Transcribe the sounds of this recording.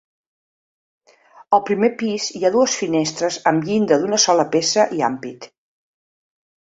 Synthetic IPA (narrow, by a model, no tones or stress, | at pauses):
əlˠpɾimepiziaðuəsfinest̪ɾəzəmʎind̪əðunəsɔləpesəʔia̰mpit̪